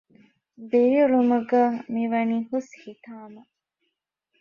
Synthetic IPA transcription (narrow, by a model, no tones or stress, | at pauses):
bejuɾumuɡɐmiʋɐniːhushit̪aːmɐ